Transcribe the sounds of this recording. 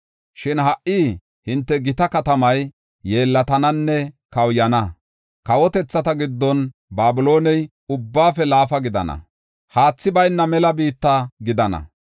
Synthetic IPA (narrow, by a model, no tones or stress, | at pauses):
ʃɪnɦɐʔʔiː | hɪnt̪ːɛɡɪt̪ɐkɐt̪ɐmɐjː | e̞ːlːɐt̪ɐnɐnːɛ | kɐwjɐnɐ | kɐwɔt̪ɛt͡sːɐt̪ɐɡɪd̪ːɔnbaːbɪlo̞ːnɛj | ʊbːaːfɛlaːfɐɡɪd̪ɐ̰nɐ̰ | haːt͡sːɪbɐjnːɐmɛlɐbiːt̪ːaɡɪd̪ɐnɐ̰